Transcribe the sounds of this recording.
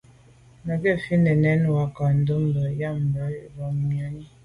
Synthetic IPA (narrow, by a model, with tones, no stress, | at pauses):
nə˨kɛ˦fi˦nə˨nɛ˨˦n˨wa˨ka˨n̩˨də˦m˦bə˨ja˦˨m˨bə˨˦ba˨m˨i˨a˨˦ni˦